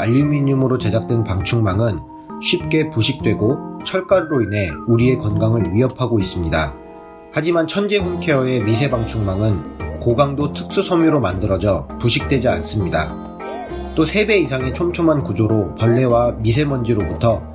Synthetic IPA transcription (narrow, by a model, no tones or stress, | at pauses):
aʎːumiɲumɯɾot͡ɕe̞d͡ʑak̚t͈wenpaŋt͡ɕʰuŋmaŋɯn | ɕʰɥip̚k͈e̞puɕʰik̚t͈we̞ɡot͡ɕʰʌɭk͈aɾɯɾoinɦe̞uɾie̞kwʌnɡaŋɯɭɥiɦʌpʰaɡois͈ɯmɲida | had͡ʑimant͡ɕʰʌnd͡ʑe̞ɸunkʰeʌe̞mis̬ʰe̞baŋt͡ɕʰuŋmaŋɯnkoɡaŋdotʰɯ̥k̚s͈usʰʌmiɾomandɯɾʌd͡ʑʌpuɕ̬ʰik̚t͈we̞d͡ʑia̰ns͈ɯmɲida | t͈osʰe̞be̞isʰaŋe̞t͡ɕʰomt͡ɕʰomankud͡ʑoɾopʌɭːe̞wamis̬ʰe̞mʌnd͡ʑiɾobutʰʌ